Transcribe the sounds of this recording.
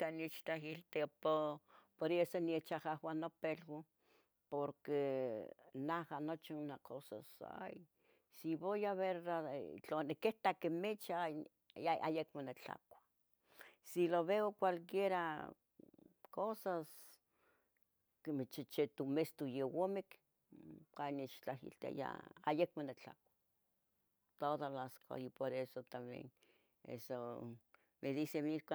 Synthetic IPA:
k̪anit͡ʃt̪ahilt̪epopoɾesoniet͡ʃahahwanopelwo | poɾke | nahanot͡ʃinakʰosa̰sa̰j | siβojaβeɾat͡ɬonekeht̪akemet͡ʃa | aʔa̰jekmonet͡ɬa̰kʷḁ | siloβeokʷalkjeɾa | kosas | kemet͡ʃit͡ʃet̪umest̪ujewomek | kanet͡ʃt͡ɬaɦḭlt̪a̰ja̰a̰jekmonet͡ɬa̰kʷḁ | t̪oðalaskʰa̰ipoɾesot̪amḛn | ḛso | meðisemikʷa

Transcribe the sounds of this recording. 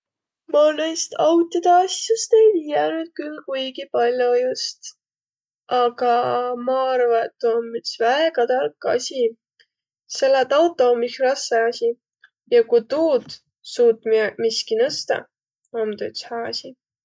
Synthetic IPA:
mɑlest̪ɑwt̪ːid̪̥ɑɑsjɑst̪ejviːjænyd̪̥̚kylːkujɡ̥ipɑlʲjojust̪ | ʔɑɡ̥ɑmɑɑɾvɑet̪ːuommyt̪svæeɡɑt̪ɑlkːˑɑ̰sʲi | se̞lːet̪ɑwt̪ːˑo̞mixrɑsːeɑsʲi | jɑkut̪uːd̪ | suːt̪ːˑmimiskinɤst̪ɑ̰ | omt̪yt̪shæːɑsʲi

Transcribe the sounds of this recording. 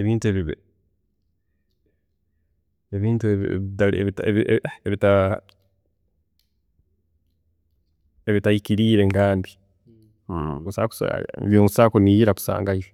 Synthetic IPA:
eβiːntueβiβ | eβiːntuḛtaeβiteβieβita | eβitaikiɾiːɾeŋkaːndi | kusa̰ku̥sβjuːnusakunijiɾaku̥sa̰ːŋɡaiʒo

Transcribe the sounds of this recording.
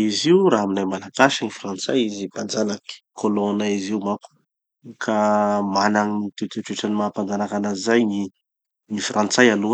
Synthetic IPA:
iziuɾaɦaminajmalaɡaʃiŋifrant͡sa̰jizipand͡zanaki̥kʰolonaiziumapu̥ | kʰamanaŋit̪ut̪eʈ͡ʂeʈ͡ʂanimapand͡zanakanazajni | nifrant͡sajalu

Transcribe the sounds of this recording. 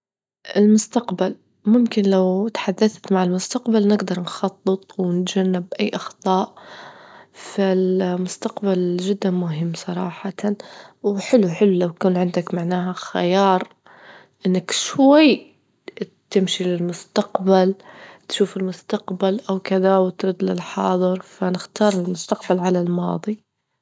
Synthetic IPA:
ʔɪlmʊst̪aqbal | mʊmkɪnlawt̪ħad̪ːaθt̪maʕɪlmʊst̪aqbalnɪɡd̪ɑɾˤnxɑt̪ˤːɨt̪ˤwɪnɪt̪d͡ʒanːɪbʔajːʔɑxt̪ˤɑːʔ | fɪlmʊst̪aqbald͡ʒɪd̪ːanmʊɦɪmːsˤɑɾˤɑːħat̪wħɪluħɪlulawkuːnʕɪnd̪akmaʕnaːɦaxa̰jɑːɾˤ | ʔɪnːakʃwajː | t̪ɪmʃilɪlmʊst̪aqbalt̪ʃuːfɪlmʊst̪aqbalʔawkɪðawt̪ɾuːd̪lɪlħɑ̰ːðˤɨɾˤfanɪxt̪ɑːɾˤɪlmʊst̪aqbalʕalalmɑ̰ːðˤi

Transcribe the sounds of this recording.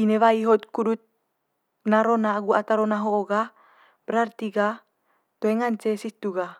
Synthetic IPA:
ineβaiɦot̪̚kudut̪̚ | naɾonaːɡuat̪aɾonaɦoːɡa | bəɾart̪iɡa | t̪oeŋant͡ʃesit̪uɡa

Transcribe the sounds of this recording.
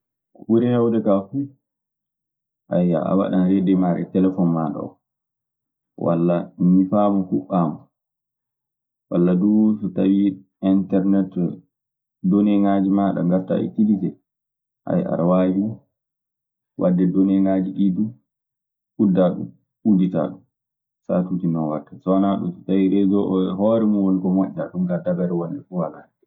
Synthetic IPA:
kwuɾihɛwɗɛkafu | ʔa̰ja̰a̰wa̰ɗanɾɛdɛmaɾɛ̰tɛlɛfɔnmaɗɔ̰ɔ̰ | wa̰lːanifamɔkuʔːaːma | wa̰lːadusɔtawi | intɛɾnɛt | dɔnɛŋaːd͡ʒimaːɗa̰ŋɡatːa̰ḭtilitɛ | ʔa̰ja̰ɾawaːjiu | wʔadːɛdɔnɛŋad͡ʒiɗidu | ʔudːaɗṵm | udita̰ɗum | sa̰tutinawa̰tːasɔnaɗṵmsɔ̥tawiɾɛd͡ʒɔʔhɔɾɛmuwonikɔmoʔitaɗumɡadabɛɾɛwonɗɛfuhalaːnɛ

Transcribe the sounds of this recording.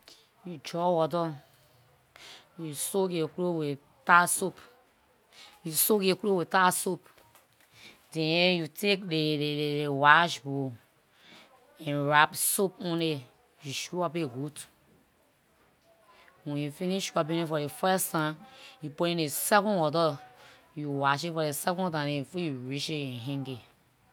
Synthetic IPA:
jud͡ʒɔwɔtɔ | jusokekɾowe | tasop | jusokekɾowetasop̚ | dɛ̃jutʰekdeeeewaʃbo | ɛ̃nɹapsop̚ũne | juʃuapeɡut | wɛ̃njufiniʃwabĩnẽfɔɾefɛstãnjupoɾĩnesɛkɔ̃nwɔtɔ | juwaʃ̬ifɔɾesɛkɔ̃ntãnefojuɹiʃeɛ̃nɦɛ̃ŋɡe

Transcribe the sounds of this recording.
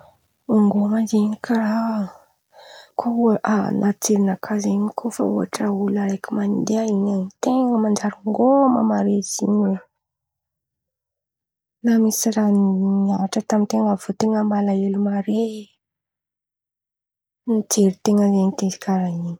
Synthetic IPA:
uŋɡomaziɲikʰaɾa | kʰouaʔanʔat͡seɾinakʰazeɲikʰofa̰uɦa̰ʈ͡ʂaulaɾekimand̪eaiɲanit̪eŋəmand͡ʒaɾuŋɡomamaɾez̥iɲulə | namisiɾanaʈ͡ʂət̪amint̪eŋəvot̪eŋəmalaelumaɾe | nit͡seɾit̪eŋəzeɲit̪ezi̥kaɾaiɲi̥

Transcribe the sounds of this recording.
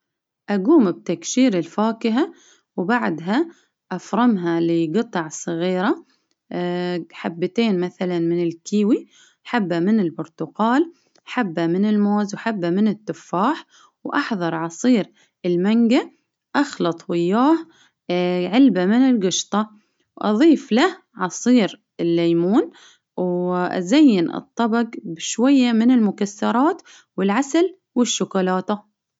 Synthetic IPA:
ʔaɡuːmb̚t̪akʃiːɾɪlfaːkɪɦa | wbaʕd̪ɦa | ʔafɾˤɑmɦalɪɡɨt̪ˤɑʕsˤɨɣiːɾa | ħabːat̪eːnmaθalanmɪnɪlkiːwi | ħabːamɪnɪlbʊɾt̪ʊqɑːl | ħabːamɪnɪlmoːzwħabːamɪnɪt̪ːʊfːaːħ | wʔɑħðˤɑɾˤʕɑsˤiːɾ | ɪlmaŋɡa | ʔɑxlɑt̪ˤwɪjːaːh | ʕɪlbamɪnɪlɡɪʃt̪ˤɑ | wʔɑ̰ðˤiːflah | ʕɑsˤiːɾ | ɪlːaːmuːn | wʔa̰zajːɪnʔɨ̰t̪ˤːɑbɑɡbɪʃwajːamɪnɪlmʊkasːɑɾˤɑːt̪ | wɪlʕasal | wɪʃːʊkʊlaːt̪a

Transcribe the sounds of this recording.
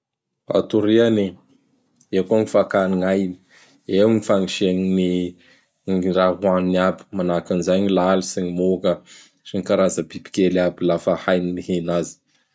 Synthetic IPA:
a̰t̪uɾiani | ekoŋifakaniŋajni̥ | ewŋifaŋiʃenini | raɦuaniniabi̥manakanizajɲilalisiɲimokə | ʃiŋikaɾazəbibi̥kʲelabilafəhajniniɦenazi̥

